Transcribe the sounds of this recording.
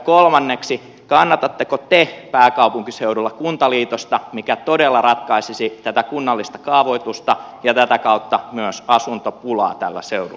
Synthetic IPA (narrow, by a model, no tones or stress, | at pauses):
kolmɑnːeksi | kɑnːɑt̪ɑt̪ːekot̪epæːkɑupuŋkiseuɾulːɑkunt̪ɑliːt̪ost̪ɑmikæt̪odelːɑrɑt̪kɑisisit̪æt̪ækunːɑlːist̪ɑ̥kɑːʋoit̪ust̪ɑjɑt̪æt̪ækɑut̪ːɑmyøsɑsunt̪opulɑ̰ːt̪ælːæ̰seuɾu